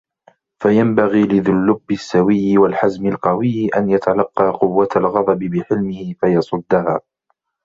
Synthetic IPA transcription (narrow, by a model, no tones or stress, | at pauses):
fajambaɣiːlɪðʊlːʊbːɪsːawɪjːɪwalħazmɪlqɑwɪjːʔa̰njat̪ʰalɑqːɑːqʊwːat̪alɣɑðˤɑbɪbɪħɪlmɪhɪfajɑsˤʊd̪ːahaː